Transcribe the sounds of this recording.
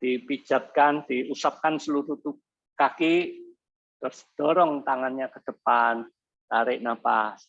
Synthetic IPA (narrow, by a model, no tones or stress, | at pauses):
d̪̥ipi̥d͡ʒ̥a̤t̪̚kand̪̥iusap̚kansəluɾut̪up̚ | kaki | t̪ərsd̥ɔɾɔŋt̪aŋanɲakəd̪̥əpan | t̪aɾɪʔnapas